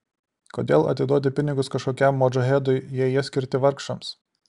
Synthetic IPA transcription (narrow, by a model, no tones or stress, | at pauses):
koːd̪ʲḛːlˠɐ̰t̪ʲɪd̪uːt̪ʲɪpʲɪnʲɪɡʊskɐʃkoːkʲɛmːoːd͡ʒɐɦʲɛːd̪oɪjɛjɛsʲkʲɪɾʲt̪ʲɪʋɐɾkʃɐms